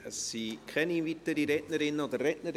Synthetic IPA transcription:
əsikʰɛninvitəɾiɾɛʔnəɾɪnɔdərːɛʔnəɾ

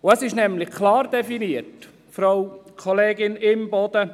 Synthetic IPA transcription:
ʊæsɪʃnɛmlɪxkʰlɑːrdɛfiniət | fɾawkʰɔleːɡɪnɪmbɔd̥̪ə

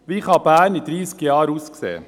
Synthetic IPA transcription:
ʋiːχɑbæːnid̪ɾiːskəjɑːɾuːsksḛː

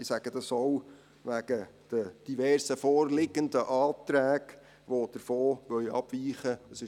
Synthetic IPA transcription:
ɪsæɡ̥əd̥̪ɑsɔw | ʋæɡ̥əd̥əd̥iʋɛɾsəfɔːrlɪɡəndəʔɑːt̪ɾæːɡ | ʋod̥əɾfoːʋœɥɑ̰b̥ʋiːχəəsɪ

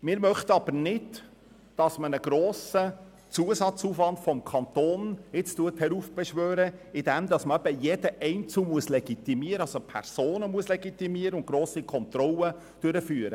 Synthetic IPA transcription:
mɪːɾmœχt̪əɑbəɾnɪd | d̥ɑsmənəɡ̥ɾoːsə | t͡suəsɑt͡suːfʋɑnd̥fɔmkʰɑnt̪oːnɪt͡stuəthɛɾuːfb̥ɛʃʋøːɾəɪd̪ɛmd̪ɑsməɛbəjɛd̥̪əʔɛɪnt͡sumuəslɛɡit̪imiəɾəɑlsopʰɛ̰ɾsoːnəmuəslɛɡit̪imiəɾəʊnɡɾoːsikʰɔnt̪ɾɔlə | d̥øɾəfyːɾə

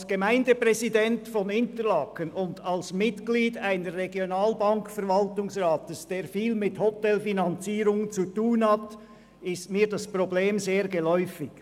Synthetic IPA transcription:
sɡ̥əmæɪndəpʁɛzidɛntfɔnɪntəlɑːkənʊndɑlsmɪtɡ̥liːdaɪnəsʁeɡjonaːlbɑŋkfɛɐvɑltʊŋsʁaːtəsd̥eːɾfiːlmɪthɔtɛlfinɑnt͡siːɾʊŋt͡sutuːnhɑt | ɪstmiːdɑspʁ̥obleːmzeːɾɡəlɔʏfɪɡ

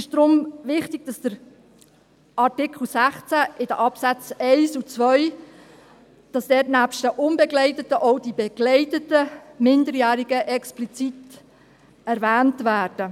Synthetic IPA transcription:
ɪʃd̪̥ɾʊmʋɪχtɪɡ̥̚d̥ɑsd̥əɾ | ʔɑrtɪkʰl̩sæχt͡sæʔɪd̥əʔɑpsæt͡sɛɪsut͡sʋœʏ | d̥ɑsd̥ɛːtnæːpʃtəʔʊnbɛɡlɛɪtətəʔɔʊdibɛɡ̥lɛɪtətəmɪndəɾjæːɾiɡəʔɛksplit͡sit | ɛɾvæːntʋæːɾd̥ə

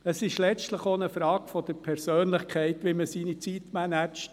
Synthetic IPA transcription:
əsɪʃlɛt͡ʃtləχonəfɾɑːkfɔd̥̪əɾpʰɛɾsøːnlɪχkʰɛɪtʋiməsiːnit͡sit̪mænæt͡ʃt

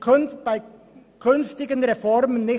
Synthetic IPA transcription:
kʰʉnbæɪ | kʰʉnft̪ɪɡənɾɛfɔɾmənːɪ

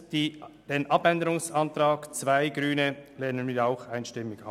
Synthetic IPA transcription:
d̥iːd̥eːnʔɑpɛndəɾʊŋsɑnt̪ɾaːɡt͡svaɪɡɾyːnəlɛːnənmɪaʊxaɪnʃtɪmːɪɡɑ̰

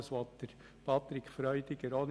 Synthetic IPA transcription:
əsʋɔt̪ːəɾ | pʰɑt̪ɾɪkχfɾœʏd̪ɪɡəɾɔn

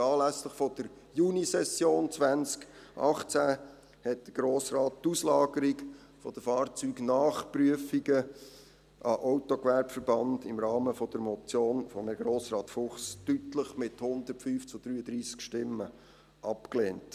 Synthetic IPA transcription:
ɑːlæsləχfɔd̪̥əɾ | junisɛsjoːnt͡svænt͡skʔɑ̰χt͡sæ | hɛt̚d̪̥əɡ̥ɾoːsrɑːt̚tuslɑːɡəɾiɡ | fɔd̥̪əfɑːrt͡syːɡnɑːχpɾyəfiɡə | ʔɑʔawtɔkʋæɾbfəɾb̥ɑnd̪̥ɪmɾɑːməfɔd̪̥əɾmɔt͡sjoːnfɔmɛɡɾoːsrɑːt̪fʊχstytləχmɪthʊnd̪əɾtfyːft͡sʊd̥̪ɾyːəd̪ɾiːskʃtɪmːə | ʔɑpkleːnt

